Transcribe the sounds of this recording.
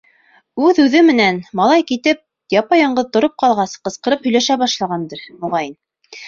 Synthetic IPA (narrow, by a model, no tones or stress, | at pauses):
ʉðʉðɘmɘ̆nænmɑlˠɑjkit̪ɘp̪̚ | jɑpɑjɑɴɢɤðt̪ŏɾop̚qɑlˠʁɑsqɤ̆sqɤ̆ɾɤphɵ̆jlæʃæβɑʃlˠɑʁɑnd̪ɤɾmŏʁɑjɘn